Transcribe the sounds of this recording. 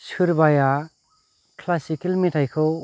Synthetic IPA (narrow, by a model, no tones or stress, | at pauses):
sɯɾbaja | kʰlasikilmitʰajkʰɯw